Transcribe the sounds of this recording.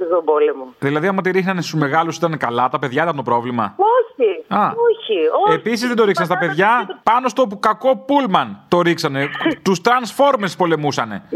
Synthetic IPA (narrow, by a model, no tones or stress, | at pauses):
sobolemuðilɐðiɐmɐt̪iɾixnɐnest̪uzme̞ɣɐlusit̪ɐnekɐlɐt̪ɐpe̞ðʝɐit̪ɐnt̪opɾo̞vlimɐ̰oçiɐoçioepis̬izðed̪oɾiksɐnst̪ɐpe̞ðʝɐpɐno̞st̪o̞p̬ukɐko̞pulmɐnt̪o̞ɾiksɐne̞t̪ust̪ɾɐnsfo̞ɾmespo̞le̞musɐne̞̰